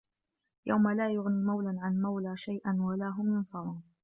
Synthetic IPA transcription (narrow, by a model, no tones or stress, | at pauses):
jʔa̰wmalaːjʊɣniːmawlaʕanmawlaːʃajʔanwalaːɦʊmɪnsˤɑlˤɑːn